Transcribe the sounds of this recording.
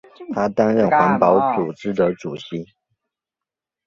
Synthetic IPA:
t̪ʰa˥t̪a˥nɻə˥˩nxwa˧˥npɑ˧˥ʊt͡su˨˩ʈ͡ʂɻ̩˥d̪ə˧˦ʈ͡ʂu˨˩ɕi˧˥

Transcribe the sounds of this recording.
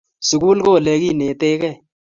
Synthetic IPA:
su˨ku˦lko˦˨le˧˦ki˦˨ne˨te˦kɛ˦˨

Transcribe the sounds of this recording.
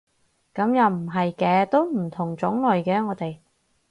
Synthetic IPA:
kɐ˨˥mjɐ˨˧wm̩˨˩ɦɐ˨jkɛː˨˧t̪o˥wm̩˨˩t̪ʰʊ˨˩ŋt͡sʊ˨˥ŋlɔ˨jkɛː˧ŋɔː˨˧t̪e˨j

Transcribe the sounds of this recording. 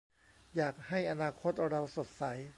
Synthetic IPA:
jaː˨˩k̚ha˥˩jʔa˧naː˧kʰo˦˥t̪̚ɾa˧wso˨˩t̪̚sa˩˦j

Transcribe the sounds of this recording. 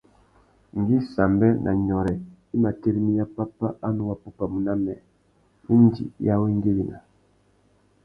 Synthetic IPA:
ŋ˨ɡi˦sa˨mbɛ˦nʔa̰˨ɲɔ˨ɾɛ˨i˦ma˨te˦ɾi˦mi˦ja˦pa˦pa˦a˦nu˦wa˦pu˦pa˨mu˨na˦mɛ̰˨ | i˦n˦dḭ˨ja˦we˦ŋ˦ɡe˦bi˨na̰˨

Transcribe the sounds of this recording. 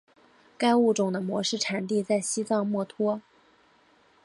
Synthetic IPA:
ka˥ɪu˥˩ʈ͡ʂʊ˨˩ŋd̪ə˦mwɔ˧˥ʂɻ̩˥˩ʈ͡ʂʰa˨˩nt̪i˥˧t͡sa˥˩ɪɕi˥t͡sɑ˥˧ŋmwɔ˥˩t̪ʰwɔ˥

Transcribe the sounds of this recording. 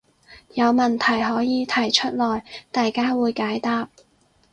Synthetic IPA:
jɐ˨˧wmɐ˨˩nt̪ʰɐ˨˩jɦɔː˨˥jiː˨˧t̪ʰɐ˨˩jt͡ʃʰɵ˥t̚lɔː˨˩jt̪aː˨jkaː˥wuː˨˧jkaː˨˥jt̪aː˥p̚

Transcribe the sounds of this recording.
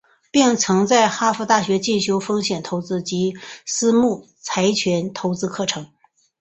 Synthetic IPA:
pi˥˩ŋt͡sʰɤ˧˥ŋt͡sa˥˩ɪxa˥fu˧˥t̪a˥˩ɕɥɛ˧˥t͡ɕi˥˩nɕjo˥ʊfɤ˥ŋɕjɛ˨˩nt̪ʰo˧˥ʊt͡sɹ̩˥t͡ɕi˧˥sɹ̩˥mu˥˩ | t͡sʰa˧˥ɪt͡ɕʰɥɛ˧˥nt̪ʰo˧˥ʊt͡sɹ̩˥kʰɤ˥˩ʈ͡ʂʰɤ˧˥ŋ

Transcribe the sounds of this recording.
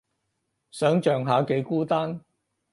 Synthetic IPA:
sœː˨˥ŋt͡ʃœː˨ŋɦaː˨˧ke˨˥jkuː˥t̪aː˥n

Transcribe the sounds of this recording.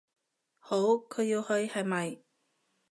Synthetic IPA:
ho˨˥wkʰɵ˨˧ɥjiː˧whɵ˧ɥhɐ˨jmɐ˨j

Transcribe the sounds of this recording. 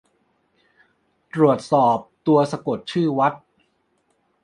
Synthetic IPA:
t̪ɾu˨˩ət̪̚sɔː˨˩p̚t̪u˧ɐsa˧ko˨˩t̪̚t͡ɕʰɯː˥˩wa˦˥t̪̚

